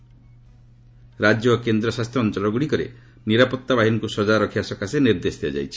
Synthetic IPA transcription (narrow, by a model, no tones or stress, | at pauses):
ɾad͡ʒjɔkend̪ɾɔsast̪ʰjɔɔnt͡ʃɔlɔɡuɽikɔɾḛ | niɾapɔt̪ːabaɦinɔkusɔd͡ʒaɾɔkʰibasɔkaseniɾd̪esd̪iɔd͡ʒa̰jt͡ʃʰi̥